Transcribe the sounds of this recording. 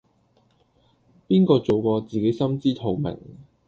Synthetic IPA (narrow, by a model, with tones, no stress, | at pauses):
piː˥nkɔː˧t͡so˨wkɔː˧t͡siː˨ke˨˥jsɐ˥mt͡siː˥t̪ʰo˨˩wmɛ̰˨˩ŋ